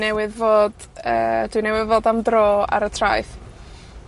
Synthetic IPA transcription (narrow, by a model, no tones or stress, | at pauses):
nɛwɪðvoːd̥ | əːd̥wɪnɛwɪðvoːdamdroːa̰ɾətʰra̰jθ